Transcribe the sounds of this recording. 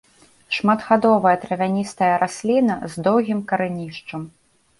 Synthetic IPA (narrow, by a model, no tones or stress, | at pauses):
ʂmad̪ɣad̪ɔvɐjɐt̪ɾɐvʲanʲist̪ɐjɐɾʔasʲlʲinɐzd̪ɔwɣʲimkɐɾɨnʲiʂt͡ʂɐm